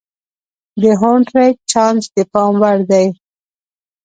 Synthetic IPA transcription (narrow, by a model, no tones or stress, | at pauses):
d̪əɦoɳʈɾaj̚t͡ʃɑnsd̪əpɑmwaɽd̪aj